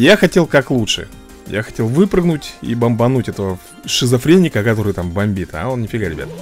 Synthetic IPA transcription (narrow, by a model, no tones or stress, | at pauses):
jaxɐtʲe̞lˠkaklˠutʂɨ̰ | ja̰xɐ̥tʲe̞lˠvɨpɾɨɡnʊtʲḭbəmbɐnutʲɛt̪əvə | ʂɨzɐfɾʲenʲːɪkəkɐt̪o̞ɾɨjt̪ambɐmʲbʲit̪a̰o̞nnʲɪfʲɪɡaɾʲɪbʲa̰t̪